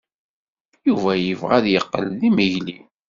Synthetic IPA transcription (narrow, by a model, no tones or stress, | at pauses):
juvæjəvʁæðjəqːə̰lːiməʝli